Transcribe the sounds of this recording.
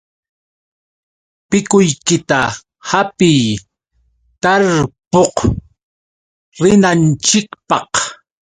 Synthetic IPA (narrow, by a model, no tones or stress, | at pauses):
pɪkʊjkɪt̪a | hapɪj | t̪aɾpoq | ɾɪnant͡ʃɪkpɑq